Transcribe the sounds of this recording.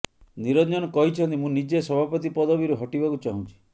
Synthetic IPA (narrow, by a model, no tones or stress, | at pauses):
niɾɔnd͡ʒɔnɔkɔɦit͡ʃʰɔnt̪imũnid͡ʒesɔbʱapɔt̪ipɔd̪ɔbiɾuɦɔʈibakut͡ʃaɦũt͡ʃʰi̥